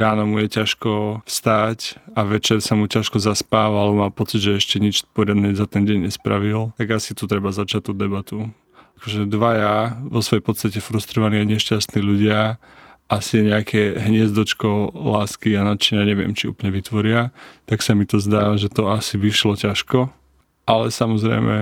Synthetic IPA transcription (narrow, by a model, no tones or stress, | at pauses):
ɾaːnɔmujɛcaʃkɔfst̪acaʋɛt͡ʃɛɾsamucaʃkɔzaspaːʋaalɛbɔmaːpɔt͡siɟʒɛɛʃcɛɲit͡ʃpɔɾɪad̪nɛzat̪ɛnɟɛɲɲɛspɾa̰ʋilt̪aɡasit̪ut̪ɾɛbazat͡ʃac̚t̪ɔd̪ːɛbat̪u | akɔʒɛd̪ʋajaʋɔsʋɔjɛjpɔt̪st̪acɛfɾust̪ɾɔʋaniːaɪɲɛʃcast̪niːluɟɪa | ʔasiɛɲɛakʰɛɦɲɪɛzd̪ɔt͡ʃkɔlaːskianat̪t͡ʃiɲaɲɛʋɪɛ̰mt͡ʃiṵːplɲɛʋit̪ʋɔɾɪat̪aksamit̪ɔzd̪aːʒɛt̪ɔasiʋiʃlɔcaʃkɔ | ʔalɛsamɔzɾɛ̰jmɛ